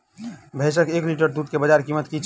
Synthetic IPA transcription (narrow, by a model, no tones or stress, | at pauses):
bʱesəkekliʈəɾd̪ud̪̚kebəd͡ʒaɾkimət̪kit͡ʃʰ